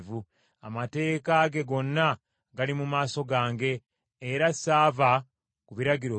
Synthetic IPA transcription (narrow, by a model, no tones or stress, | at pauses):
vu | a̰mate̞ːkaɡe̞ɡo̞nːa | ɡalimumaːso̞ɡaːŋɡe̞ː | ɾasaːva | kuβiɾaɡiɾo